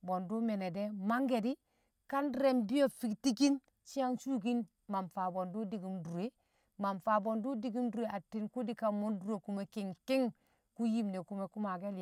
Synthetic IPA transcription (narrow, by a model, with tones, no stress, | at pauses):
bo˨ndu˦me˨ne˨de˦ma˦ŋɡe˨di˦ | ka˦nɾe˨˦mbi˦jo˨fi˨kti˦ki˦n | t͡ʃi˦a˦nsu˦ɡi˦n | ma˨mfa˨bo˨ndu˦di˨ɡi˨mdu˨ɾe˦ | ma˨nfa˨bo˨ndu˦di˨ɡi˦mdu˨ɾe˨ʔa˨tːi˦nku˦di˦ka˨mo˦ndu˨ɾe˨ku˨me˨ki˨ŋki˦ŋ | ku˦ji˦mne˨ku˨me˨ku˦ma˨ɡe˦l